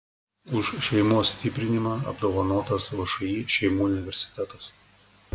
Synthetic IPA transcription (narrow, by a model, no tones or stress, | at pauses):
ʊʃʃʲɛɪmuɔsʲsʲt̪ʲɪpʲɾʲɪnʲɪmɑːɐ̰bd̪oːʋɐnoːt̪ɐsʋɐʃɐjiːʃʲɛɪmuːʊnʲɪʋʲɛɾʲsʲɪ̥t̪ʲɛt̪ɐs